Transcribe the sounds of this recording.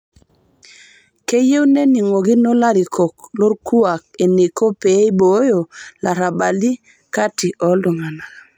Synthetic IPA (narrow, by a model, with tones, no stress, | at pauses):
ke˦je˦wne˦ni˨ŋo˨ɡi˦no˦la˦ɾi˨kʰo˨klo˦ɾku˦a˨k̚e˨ni˨ko˦pe˨˦jbo˨˦jo˨la˨ɾa˨ba˨li˦ | ka˦ti˨ʔɔ˨˦lo˨ŋa˨na˨